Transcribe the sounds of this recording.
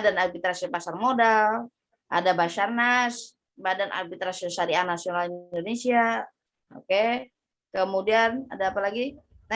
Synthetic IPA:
danarbit̪ɾasiopasarmodal | ʔa̰dabasarnas | badana̰rbit̪ɾasiosaɾianasionalidonesia | o̰ke | kəmudiana̰daːpalaɡi | na

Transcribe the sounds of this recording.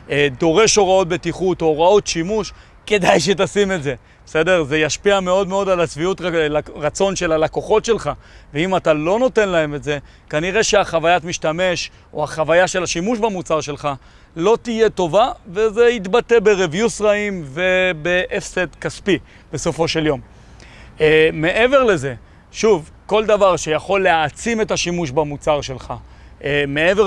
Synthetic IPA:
d̪o̞ʁe̞ʃo̞ʁao̞t̪̚be̞t̪iχutoːʁao̞t̪ʃimuʃ | ke̞dajʃe̞t̪̬asime̞tze̞ | ese̞de̞ʁze̞jaʃpiameo̞dmeo̞dalat͡sviut̪ʁlʁat͡so̞nʃe̞lalako̞χo̞tʃe̞lχa | veimat̪alo̞no̞te̞nlae̞metze̞ | kaniʁe̞ʃeaχavajatmiʃtame̞ʃ | o̰haχavajaʃe̞laʃimuʃbamut͡saʁʃe̞lχa | lo̞t̪ije̞t̪o̞vavezeit̪bat̪e̞be̞ʁevjusʁaimvebeʔefset̪kaspi | b̥e̞so̞fo̞ʃe̞ljo̞m | me̞ʔe̞ve̞ʁle̞ze̞ | ʃuv | ko̞ld̪avaʁʃejaχo̞lːeat͡sime̞t̪aʃimuʃbamut͡saʁʃe̞lχa | me̞eve

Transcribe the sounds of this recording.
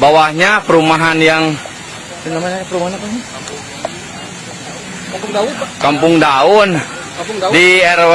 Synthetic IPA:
bawahɲapəɾumaɦanjaŋ | namaɲapəɾumaɦanapaɲa | kampʊŋdaʊn | diɛɾ

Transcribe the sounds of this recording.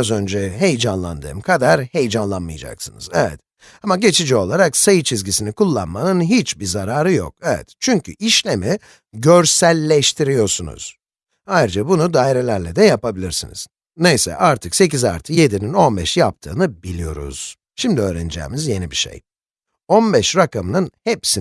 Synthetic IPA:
azø̞nd͡ʒɛɦe̞jd͡ʒanlˠa̰nd̪ɯ̰mkʰad̪aɾhe̞jd͡ʒanlˠanmɯjad͡ʒa̰ksɯnɯ̰zɛvɛ̰t̪ | amaɟe̞t͡ʃʰid͡ʒio̞lˠaɾaksajɯt͡ʃʰizɟisinikʰulˠːa̰nmanɯnɦit͡ʃbiɾzaɾaːɾɯjo̰k̚evɛ̰t̪t͡ʃʰyɲcʰy̰ʔiʃlʲemɛ | ɟø̞ɾsælʲːɛʃt̪ʰiɾijo̞ɾsunṵz̥ | hajɾd͡ʒabunud̪aːiɾelʲæɾlʲɛd̪ɛjapabilʲiɾsinḭz̥ | nejsɛ̰ʔaɾt̪ʰɯkse̞ciza̰ɾt̪ʰɯje̞d̪inino̞nbɛʃjap̚t̪ʰɯ̰ːnɯbilʲijo̞ɾṵz̥ | ʃimd̪iøːɾɛnid͡ʒɛ̰ːmizje̞nibiʃḛj | o̞nbɛʃɾakamɯnɯnhepsi

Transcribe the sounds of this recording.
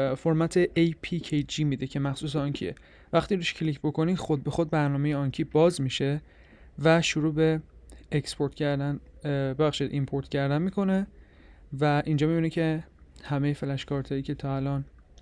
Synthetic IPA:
foɾmæt̪ʰeʔejpʰicʰejd͡ʒiːmiːd̪ecʰe̞mæxsuːs̬eɒŋcʰḭḛ | væxt̪iːɾuʃcʰlicʰbo̞ko̞niːxod̪̚be̞xod̪̚bæɾnɒːmejeɒŋcʰiːbɒːzmiʃe̞ | væʃuɾuːbe̞ːkspʰoɾt̪ʰcæɾd̪ænbebæχʃid̪ʔimpʰoɾt̪cʰæɾd̪ænmiːkʰo̞ne̞ | væʔind͡ʒɒːmibinicʰe̞hæmejefelæʃkɒːɾt̪ʰɒːiːcʲʰe̞t̪ʰɒːælɒːn

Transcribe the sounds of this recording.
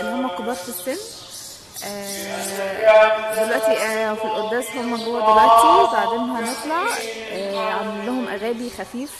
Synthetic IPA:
ʔenːhomːæqobɑːt̪fisːenː | ʔæː | belwæʔt̪ifilʔod̪ːæːshomːæɡowːæd̪læt̪izbaʕd̪eːnɦænet̪ˤlaʕ | ʕamælːoɦomʔæɣæːbixæfiːf

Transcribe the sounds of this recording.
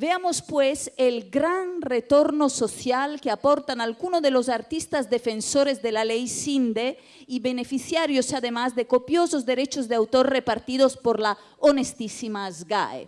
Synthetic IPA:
beamospweselɡɾanret̪oɾnosoθjalkeapoɾt̪analɣunoðelosaɾt̪ist̪azd̪efensoɾezd̪elalejsind̪e | iβenefiθjaɾjosaðemazðekopjosozd̪eɾet͡ʃozd̪eawt̪oɾrepaɾt̪iðospoɾla | onest̪isimazɡa̰ḛ

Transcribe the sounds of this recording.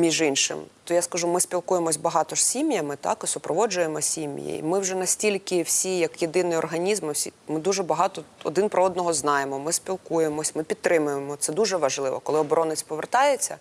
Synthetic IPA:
mʲiʒinʃɪ̰mt̪ɔjaskɐʒumɪspʲilˠkujemɔsʲbɐɦɑt̪ɔʐ̥sʲimjɐmɪt̪ɑ̰kɔsʊpɾɔʋɔd͡ʒʊjemɔsʲimʲjḭḭmɪwʐɛnɐsʲtʲilʲkɪwsʲijɐkjed̪ɪnɪjɔrɦɐnʲizmɪwsʲimɪd̪uʒɛbɐɦɑt̪ɔɔd̪ɪnpɾɔɔd̪nɔɦɔznɑjemɔmɪsʲpʲilˠkujemɔsʲmɪpʲidt̪ːɾɪmʊjemɔt̪sɛd̪uʒɛʋɐʒlˠɪʋɔ̰kɔlˠɪɔbɔɾɔnɪt͡sʲpɔʋert̪ɑjet͡sʲːɐ

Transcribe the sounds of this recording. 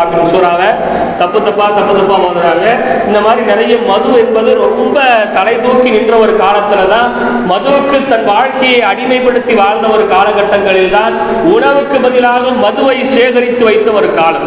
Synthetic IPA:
aːkɐɾsuːɾaːʋɐ | t̪ɐpːɯt̪ːɐpːaːt̪ɐpːɯt̪ɐpːaːmɐːðɯɾaːŋɣɐɪnd̪ɐmaːd̪ɾinɪɾɐjɯmmɐðɯɛnbɐðɯɾɔmbɐt̪ɐlɐɪt̪uːkːinɪndrɐɔɾɯkaːlɐt̪ːɪlɐt̪ãːn | mɐðɯʋɯkːɯt̪ːɐnʋaːɻkɐjɐɪɐɽɪmɐɪpːɐɽɯt̪ːiʋaːɻnd̪ɐɔɾɯkaːlɐɣɐʈːɐŋɡɐɭɪlt̪aːn | ʊɳɐʋɯkːɯbɐðɪlaːɣɐmɐðɯʋɐɪseːɣɐɾɪt̪ːɯʋɐɪt̪ːɐɔɾɯkaːlɐm

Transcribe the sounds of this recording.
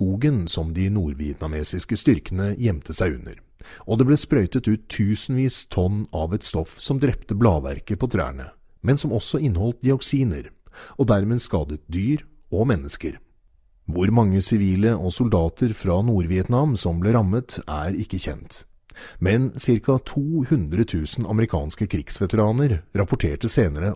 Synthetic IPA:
uːɡənsɔmd̪ɪnuːɾʋɪɛt̪nɑmeːsɪskəst̪ʏɾkənəjɛmt̪ʰəsæɪʉnːə̰ɾ | ʔɔd̪ɛblɛːspɾœʏt̪ət̪ʉːt̪ʰːʉːsənʋiːst̪ʰɔnːɑʋɛt̪st̪ɔfsɔmd̪ɾɛpt̪əblɑːʋæ̰ɾkəpʰɔt̪ʰɾæ̰ːɳə̰ | mɛnsɔmɔsːɔɪnːhɔlt̪̚d̪ɪɔksiːnəɾɔd̪æɾmeːskɑːd̪ət̪̚d̪yːɾ | ɔmɛnːəskəɾ | ʋʊɾmɑŋːəsɪʋiːləʔɔsʊld̪ɑːt̪ʰəɾfɾɑnuːɾʋɪɛt̪nɑmsɔmblɛɾɑmːət̪æ̰ɾɪkːəçɛ̰nt̪ | mɛnsɪɾkɑt̪ʰuːhʉnd̪ɾət̪ʰʉːsnɑ̰məɾɪkʰɑ̰ːnskəkʰɾɪɡ̥sʋɛt̪əɾɑːnəɾɾɑpʊʈʰeːʈəseːnəɾə

